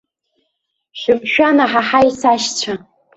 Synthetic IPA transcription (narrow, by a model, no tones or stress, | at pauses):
ʃʷʊmʃᶣanaħaħaisaʃt͡sʷʰa